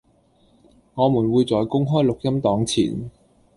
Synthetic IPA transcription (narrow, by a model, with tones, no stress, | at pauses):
ŋɔː˨˧muː˨˩nwuː˨˧jt͡sɔː˨jkʊ˥ŋɦɔː˥jlʊ˨k̚jɐ˥mt̪ɔː˨˥ŋt͡sʰḭː˨˩n